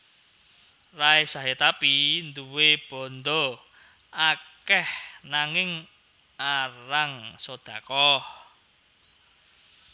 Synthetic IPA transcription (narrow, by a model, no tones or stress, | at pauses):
raesaɦet̪apind̪uweb̥ɔ̤nd̪o | ʔakɛhnaŋɪŋ | aɾaŋsod̪̥a̤kɔh